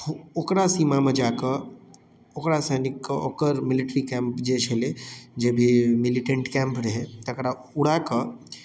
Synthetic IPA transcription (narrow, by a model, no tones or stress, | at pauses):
ookɾasiːmamed͡ʒaːkə | okɾasenikːokəɾmɪlɪʈɾikɛ̃mpd͡ʒet͡ʃʰeled͡ʒebʱimɪliʈə̃ɳʈkɛ̃mpɾɐɦet̪ɐkɾa | uɽakə